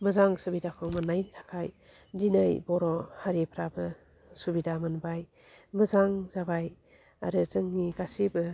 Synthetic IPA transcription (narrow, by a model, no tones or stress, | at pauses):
məzaŋsɯbidakʰɔmɯnajntʰḁkʰaj | dinɯjbɔɾɔhaɾipʰɾabɯ | subidamɯnbaj | mɐzaŋzabaj | a̰ɾɯzɯŋːiɡasibɯ